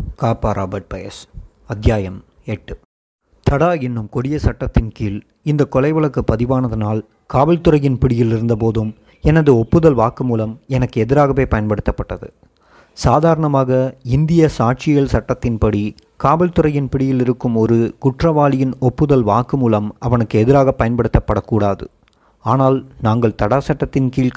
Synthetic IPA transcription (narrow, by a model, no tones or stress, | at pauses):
kaːpːaːɾʔaːbɐɾʈ̚pɐjɐ̰s | ɐɡjaːjɐm | ɛʈːɯ | t̪ɐɽaːɛnːɯmkɔɽɪjɐsɐʈːɐt̪ːɪnkiːl | ɪnd̪ɐkːɔlɐɪʋɐɭɐkːɯpːɐðɪʋaːnɐðɐnaːl | kaːʋɐlt̪ɯɾɐjɪnpɪɽɪjɪlɪɾɯnd̪ɐp̬oːðɯm | ɛnɐðɯɔpːɯðɐlʋaːkɯmuːlɐmɛnɐkːɯɛðɪɾaːɣɐʋeːpɐjɐnpɐɽɯt̪ːɐpːɐʈːɐðɯ̰ | saːðaːɾɐɳɐmaːɣɐɪnd̪ɪjɐsaːʈ̚t͡ʃɪjɐlsɐʈːɐt̪ːɪnpɐɽi | kaːbɛlt̪ɯɾɐjɪnpɪɽɪjɪlɪɾɯkːɯmɔɾɯkʊʈrɐʋaːlɪjɪnɔpːɯðɐlʋaːkːɯmuːlɐmʔɐʋɐnɯkːɯɛðɪɾaːɣɐpːɐjɐnpɐɽɯt̪ːɐpːɐɽɐkːuːɽaːðɯ̰ | aːnaːlnaːŋɡɐɭt̪ɐɽaːsɐʈːɐt̪ːɪnkiːlk